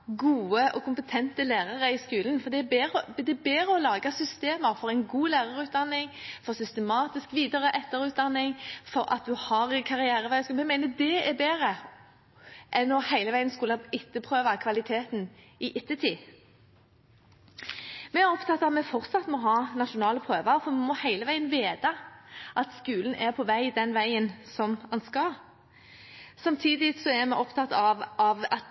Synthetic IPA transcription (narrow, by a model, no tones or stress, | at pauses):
ɡuːəʔɔkʰʊmpət̪ʰɛnt̪əlæːʁəʁəɪskʉːlən̩fɔd̪ɛːbeːʁəd̪ɛbeːɾəɔlɑːɡɑsʏst̪eːməɾfɔʁæɪnɡuːlæːʁəʁʉːt̪̚d̪ɑnːɪŋfɔʁsʏst̪əmɑːt̪ɪskʋiːd̪əʁəʔɛt̪ːəɾʉːt̪̚d̪ɑnːɪŋfɔɾɑ̰t̪̚d̪ʉhɑɾkʰɑʁɪæːɾəʋæɪskuːmɛmæɪnəd̪ɛbeːʁə | ʔɛnːɔhæɪləʋæɪənskʉləɪt̪ːəpʰʁøːʋɑkʰʋɑlɪt̪ʰeːt̪n | ɪʔɪt̪ːət̪ʰiː | mɛæɾɔpt̪ʰɑt̪ːɑt̪mɛfɔʁt̪sɑt̪ːmɔɦɑːnɑʃʊnɑːləpʰɾøːʋəɾfɔmɛmɔhæɪləʋæɪənʋeːd̪ɑʔɑt̪skʉːlən̩ʔæɾpʰɔʋæɪd̪ɛnʋæɪənsɔmɑnskɑ | sɑmt̪ʰiːd̪ɪsɔæɾmɛʔɔpt̪ʰɑt̪ːɑʋɑʋɑt̪